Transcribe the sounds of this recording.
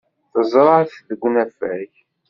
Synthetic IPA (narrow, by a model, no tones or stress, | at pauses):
θəzˤɾˤɑθðəɡʷnæfæç